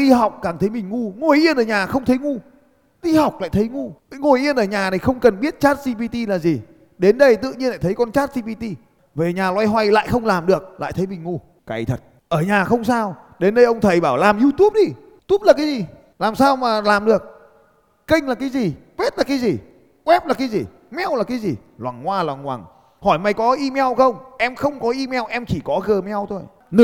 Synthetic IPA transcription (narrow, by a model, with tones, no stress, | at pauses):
ʔi˧hɔ˨˩˨wk͡p̚kaː˨˩ŋt̪ʰə˨˦jmï˨˩ŋ̟ŋu˧ŋo˨˩jʔi˧ənʔəː˧˩ɲaː˨˩xə˧wŋ͡mt̪ʰə˨˦jŋu˧ | ʔi˧hɔ˨˩wk͡p̚la̰ː˧˨jt̪ʰə˨˦jŋu˧˦ŋo˨˩jʔi˧ənʔəː˧˩ɲaː˨˩na˨˩jxə˧wŋ͡mkə˨˩nɓi˦˥ət̚t͡ɕaː˦˥t̚si˧pi˧t̪i˧laː˨˩zi˨˩ | ɗe˨˦nɗə˧jt̪ɨ̰˧˨ɲi˧ənla̰ː˧˨˩tʰə˨˦jkɔ˧nt͡ɕaː˦˥t̚si˧pi˧t̪i˧ | ve˨˩ɲaː˨˩lwa˧jɦwa˧jla̰ː˧˨jxə˧wŋ͡mlaː˨˩mɗɨ˨˩ək̚la̰ː˧˨jt̪ʰə˨˦jmï˨˩ŋ̟ŋu˧ | kaː˨˩jt̪ʰə˨˩t̚ | ʔəː˧˩ɲaː˨˩xə˧wŋ͡msaː˧w | ɗe˨˦nɗə˧jʔə˧wŋ͡mt̪ʰə˨˩jɓaː˧˩wlaː˨˩mzu˧t̪u˦˥p̚ɗi˧ | t̪u˦˥p̚laː˨˩kaː˨˦jzi˨˩ | laː˨˩msaː˧wmaː˨˩laː˨˩mɗɨ˨˩ək̚ː | ï˧ŋ̟laː˨˩kaː˨˦jzi˨˩kwe˦˥t̚laː˨˩kaː˨˦jzi˨˩ | kwɛ˦˥p̚laː˨˩kaː˨˦zi˨˩ | mɛ˧wlaː˨˩kaː˨˦jzi˨˩ | lwa̰ː˨˩ŋːwaː˧lwaː˨˩ŋːwa̰ː˨˩ŋ | hɔ˧˩jma˨˩jkɔ˨˦ʔi˧mɛ˧wxə˧wŋ͡mʔɛ˧mxə˧wŋ͡mkɔ˨˦ʔi˧mɛ˧wʔɛ˧mt͡ɕi˧˩kɔ˨˦ɣəː˨˩mɛ˧wt̪ʰo˧j | nɨ˧